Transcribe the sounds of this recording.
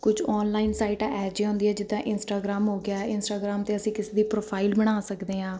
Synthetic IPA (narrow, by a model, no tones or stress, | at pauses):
kʊd͡ʒɔːnlaːinsaːiːʈaːʔɛːd͡ʒeːɦʊ̃nd̪iːɛːd͡ʒɪd̪ãːʔɪnsʈaːɡɾaːmɦoːɡɪaːɛɪnsʈaːɡɾaːmt̪eːəsĩːkɪseːd̪iːpɾoːpʰaːilbəɽ̃aːsəkd̪eːɦãː